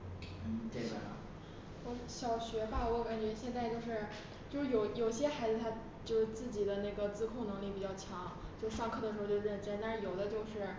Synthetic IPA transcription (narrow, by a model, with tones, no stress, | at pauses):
n̩˥˩ʈ͡ʂe˥˩ɡə̰˩n̰˩ | wɔ˧˥ɕjɑ˨˩ʊɕɥɛ˧˥ba˥˩wɔ˥˩ka˨˧˩nt͡ɕɥɛ˧˥ɕjɛ˥˧nt͡sa˥˧ɪt͡ɕjo˥˧ʊʂɻ̩˥˩ | t͡ɕjo˥˧ʊʂɻ̩˥˩jo˨˩ʊjo˨˩ɕjɛ˥xa˧˥ɪd͡zɹ̩˧t̪ʰa˥ | t͡ɕjo˥˧ʊʂɻ̩˥˧t͡sɹ̩˥˩t͡ɕi˨˩d̪ə˦na˥˩ɪɡə˩t͡sɹ̩˥kʰʊ˥˩ŋnɤ˧˥ŋli˥˩pi˨˩t͡ɕjɑ˥˩t͡ɕʰjɑ˧˥ŋt͡ɕjo˥˧ʊʂ̩˥˧ʂɑ˥˧ŋkʰɤ˥˩d̪ə˩ʂɻ̩˧˥˧t͡ɕɻə˥˩ʈ͡ʂə˥nt̪ʂɻ̩˥˩jo˨˩ʊd̪ə˦t͡ɕjo˥˧ʊʂɻ̩˥˩